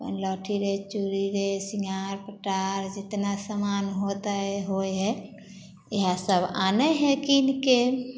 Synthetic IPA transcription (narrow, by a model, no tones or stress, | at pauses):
bə̰nlɔːʈʰiɾet͡ʃuɾiɾesiŋɡʱaɾpəʈaɾd͡ʒɪt̪nasamanɦot̪aɦɛɦojɦɛ | eɦasəbanɛɦɛkinke